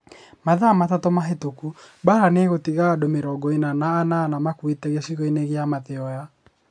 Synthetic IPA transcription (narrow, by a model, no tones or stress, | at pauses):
maðamatatɔmaɦetokubaɾaneɣotiɣaːdomeɾɔːɡɔenanaːnanamakwetɛɣesiɣɔineɣeamaðeɔja